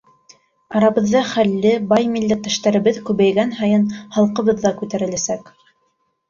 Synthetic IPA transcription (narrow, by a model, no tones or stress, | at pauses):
ɑɾɑβɤ̆ðːɑχælːɘbɑjmilːɘt̪ːɘ̆ʃt̪æɾɘ̆βɘðkʉβæjɡænɦɑjɤnhɑlˠqɤ̆βɤðːɑkʉt̪æɾɘ̆læsæk